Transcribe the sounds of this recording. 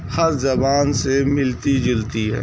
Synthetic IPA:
hɐɾzɐbaːnsemɪlt̪id͡ʒɪlt̪iɦɛ̰ː

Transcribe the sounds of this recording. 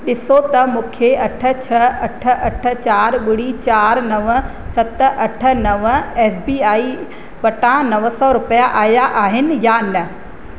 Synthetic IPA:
ɗɪsot̪ɐmũːkʰeɐʈʰə̆t͡ɕʰɐɐʈʰə̆ʔɐʈʰə̆t͡ɕaːɾɓʊɽit͡ɕaːɾnɐʋə | sɐt̪̆ʔɐʈʰə̆nɐʋɛːsbiːaːi | pɐʈãnɐʋəsɔɾʊpəjaʔaːjaʔaːɦɪnɪ̆janɐ

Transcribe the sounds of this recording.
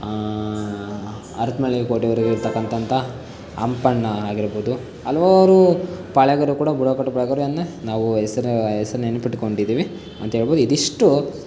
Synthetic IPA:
ɐɾt̪mɐɭikoːʈiʋɐɾiɡeiɾt̪ɐkːɐnt̪ɐnt̪ʰɐ | ɐ̰mpɐɳːɐaːɡiɾboːd̪u | ɐlʋaːɾupɐɭɛɡɐɾukuːɽɐbuɽokɐʈːɐpɐɭɛɡɐɾuɐnd̪enaːʋuɛsɐɾɛsɐɾɐnenːupiʈko̞ɳɖid̪iːʋi | ɐ̰nt̪ɐɦeɭboːd̪uid̪iʂʈu

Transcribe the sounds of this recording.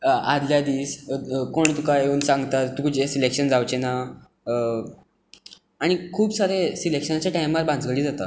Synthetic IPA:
ad̪ljad̪iːskoɳt̪ukajeuːnsãŋɡt̪at̪t̪ukud͡ʑesilekɕənd͡zawt͡ɕena | aɽ̃ikʰuːbsaɾesilekʂənat͡ɕjaʈajmʋaɾbãnd͡zɡəɭiːd͡zat̪a̰

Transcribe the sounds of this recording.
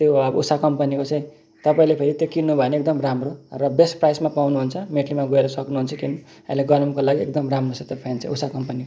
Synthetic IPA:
t̪joʌbusakʌmpʌnikot͡sʌ̃ĩ | t̪ʌpaĩlepʰeɾit̪jokinːubʱʌeneek̚d̪ʌmramrorʌbesʈprajsmapawnuɦunt͡sʰʌmeʈʰlimaɡoeɾʌsʌknuɦunt͡sʰʌkinu | ã̰ĩleɡʌnʌmkolaɡiekd̪ʌmramrot͡sʌ̃t̪jepʰajnt͡sʌ̰̃usakʌmpʌniko

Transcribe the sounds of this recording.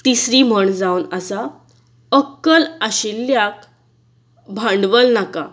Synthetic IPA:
t̪isɾiːm̤əɳd͡zawnasa | əkːəlaɕilːjak̚ | bʱãɳɖʋəlnaka

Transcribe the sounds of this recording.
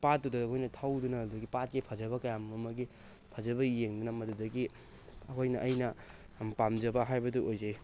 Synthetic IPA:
pat̚dudɐkʰojnɐtʰawdunɐuɐɡipat̚kipʰɐzɐβɐkɐjammɐmɐɡi | pʰɐzɐbɐjeŋdunɐmɐdudɐɡi | ɐkʰojnɐʔːjnɐ | pamd͡ʒɐbɐɦajbɐduʔojzaj

